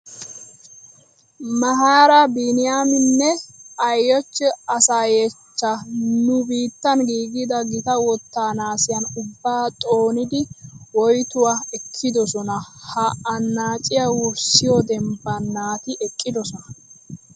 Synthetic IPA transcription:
mɐɦaɾɐbinɪjamɪnːɛɐjːɔt͡ʃːɛɐsaːjet͡ʃːɐnʊbiːt̪ːɐnɡiːɡɪd̪ɐɡɪt̪ɐwɔt̪ːaːnaːsɪjɐnʊbːaːt̪ʼo̞ːnɪd̪ɪwɔjt̪ʊwaɛkʰːɪd̪ɔsɔnɐhɐɐnːaːt͡ʃʼɪjawʊɾsɪjɔd̪ɛmbɐnːaːt̪ɪʔɛkʼːɪd̪ɔsɔnɐ

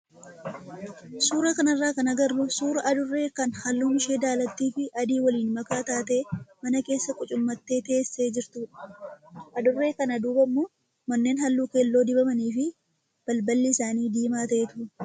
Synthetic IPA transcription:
suːɾɐkɐnɐrːaːkɐnɐɡɐrːʊsuːɾɐʔɐd̪ʊrːe̞ːkɐnhɐlːuːmɪʃe̞ːd̪aːlɐt̪ːiːfɪʔɐd̪iːwɐliːnmɐkaːt̪aːt̪e̞ːmɐnɐke̞ːsːɐkʼʊt͡ʃʼʊmːɐt̪ːe̞ːt̪e̞ːsːe̞ːd͡ʒɪɾt̪uːᶑɐ̥ʔɐd̪ʊrːe̞ːkɐnɐd̪uːbɐmːo̞ː | mɐnːe̞ːnhɐlːuːke̞ːlːo̞ːd̪ɪbɐmɐniːfɪ | b̥ɐlbɐlːɪɪsaːniːd̪iːmaːt̪ɐʔet̪ʊ

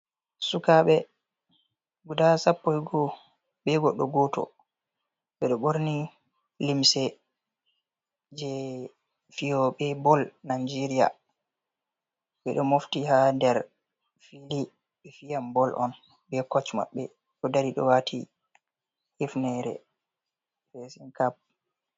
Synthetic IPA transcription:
sukaɓɛ | ɡudasapːɔjɡɔ | ɓɛɡɔɗɔ̰ɡɔtɔ̰ | ɓɛɗɔɓoɾni | limsɛ | d͡ʒɛ | fijɔɓɛbɔlnad͡ʒɛɾija̰ | ɓɛɗɔmoftihadɛɾ | fili | fijambɔlʔɔ̰n | bɛkɔt͡ʃma̰ɓːɛ̰ | ɗɔdaɾiɗɔ̰watʰḭ | hifnɛɾɛ̰ | fɛsɛnkap̚

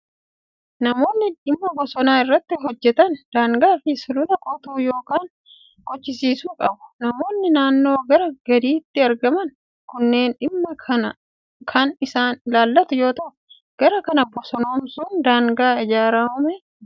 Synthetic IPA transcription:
nɐmo̞ːnːɪᶑɪmːɐbɔsɔnaːɪrːɐt̪ːɪɦɔd͡ʒːɛt̪ɐnd̪̥aːŋɡaːfɪsʊlʊlɐkʼɔt̪uːjo̞ːkaːŋ | kʼɔt͡ʃːɪsiːsuːkʼɐbʊ̥nɐmo̞ːnːɪnaːnːo̞ːɡɐɾɐɡɐd̪iːt̪ːɪɐɾɡɐmɐn | kʊnːe̞ːnᶑɪmːɐɐɐ | kʰɐnɪsaːnlaːlːɐt̪ʊjo̞ːt̪ɐʔ | ɡ̥ɐɾɐkɐnɐbɔsɔnoːmsʊnd̪aːŋɡaːɪd͡ʒaːɾaːhʊmɛ

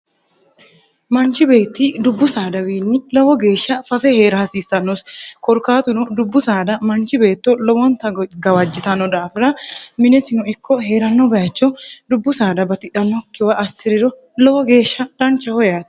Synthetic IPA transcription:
mɐnt͡ʃɪbe̞ːt̪ːɪd̪ʊbːʊsaːd̪ɐwiːnːɪlɔwɔɡe̞ːʃːɐfɐfɛheːɾɐhɐsiːsːɐnːɔskɔɾkaːt̪ʊnɔd̪ʊbːʊsaːd̪ɐmɐnt͡ʃɪbe̞ːt̪ːɔlɔwɔnt̪ɐɡɐwɐd͡ʒːɪt̪ɐnːɔd̪aːfɪɾɐmɪnɛsɪnʊɪkʰːɔɦe̞ːɾɐnːɔbɐjɐt͡ʃːɔd̪ʊbːʊsaːd̪ɐbɐt̪ɪᶑɐnːɔkːɪwɐɐsːɪɾɪɾɔ | lɔwɔɡe̞ːʃːɐᶑɐnt͡ʃɐhɔjaːt̪ɛ̥

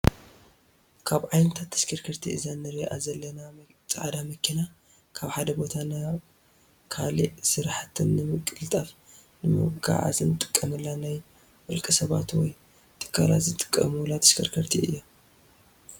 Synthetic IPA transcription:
kʰaβʕajnɐt̪ʰat̪ʰːɐ̥skʰɐɾkʰɐɾt̪ʰiʔɨzanɐɾiʔazɐlːɐna | t͡sʼaʕd̪amɐkʰːina | kʰaβħad̪ɐbo̞t̪ʰana | kʰaliʔsɨɾħat̪ʰɨnːɨmɨkʼɨlt̪ʼɐf | nɨmɨ̰ɡa̰ʕa̰zɨnɨt̪ʼɨ̥kʼːɐmɨlːanaj | wɔlkʼɨsɐβa̰t̪wɔj | t̪ʼɨ̥kʼːaɾa̰zɨt̪ʼɨ̥kʼːɐ̰mulat̪ʰːɐ̥skʰɐɾkʰɐɾt̪ʰiɨjːo

